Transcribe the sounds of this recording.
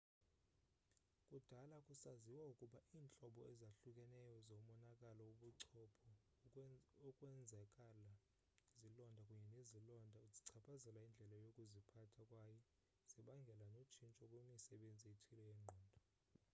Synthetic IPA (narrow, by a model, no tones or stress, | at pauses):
kʼud̥ʱalakʼusaziwaukʼuɓaʔiːnt͡ɬʼɔɓɔɛzaɬukʼɛnɛjɔzomɔnakʼalɔuɓuǀʰɔpʰɔ | ɔkʼwɛnd͡zʱakʼala | zilɔndʱakʼuɲɛnezilɔndʱauziǀʰapʰazɛlaind͡ɮʱɛlajokʼuzipʰatʰakʼwaːjɔ | z̥iɓaŋɡʱɛlanot͡ʃʰint͡ʃʼɔkʼumisɛɓend͡zʱieitʰilɛjɛːŋ͡ǃʱɔːndʱɔ